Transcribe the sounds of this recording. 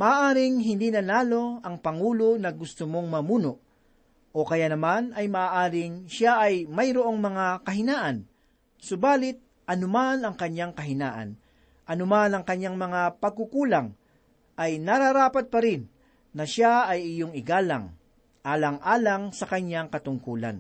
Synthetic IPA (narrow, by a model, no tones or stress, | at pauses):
mɐʔaːʔaːɾɪŋɦɪnd̪inɐnaːlo̞ʔɐŋpɐŋuːlonɐɡʊst̪ʊmo̞ŋmɐmuːnoʔ | ʔokɐjaʔnɐmanɐjmɐʔaːʔaːɾɪŋʃaʔːjmɐjɾoʔo̞ŋmɐŋakɐɦɪnaːʔɐn | sʊbaːlɪt̪̚ | ʔɐnʊmanɐŋkɐɲːaŋkɐɦɪnaːʔɐ̰n | ʔɐnʊmanɐŋkɐɲːaŋmɐŋapɐɡ̚kukuːlaŋ | ʔɐjnɐɾaɾaːpɐt̪̚pɐɾɪnː | ɐʃaɐjɪjoŋɪɡaːla̰ŋ | ʔaːlɐŋʔaːlɐŋsɐkɐɲːaŋkɐt̪ʊŋkuːla̰n